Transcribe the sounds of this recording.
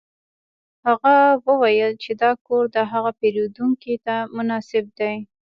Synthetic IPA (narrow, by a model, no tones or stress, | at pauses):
haɣawəwajəlt͡ʃed̪ɑkoɾd̪əɦaɣapeɾod̪uŋkit̪amʊnɑsɪb̚d̪aj